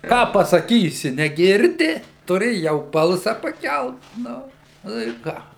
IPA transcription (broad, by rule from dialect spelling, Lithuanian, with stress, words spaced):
ˈkɑː pɐsɐˈkʲiːsʲɪ nʲɛˈɡʲɪrʲdʲɪ tʊˈrʲɪ jɛʊ ˈbɐlˠsɐ pɐˈkʲɛlˠt ˈnʊ ˈnʊ ɪ ˈkɑː